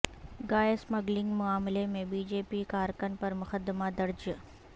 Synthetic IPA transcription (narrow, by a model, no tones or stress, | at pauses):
ɡaːesmɐɡlɪ̃ŋɡmʊaːmlemẽbiːd͡ʒeːpikaːɾkənpɐɾmʊxəd̪ɪmad̪ɐɾd͡ʒ